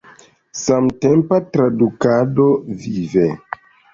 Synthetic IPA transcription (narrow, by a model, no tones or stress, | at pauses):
samtempatɾadukadovive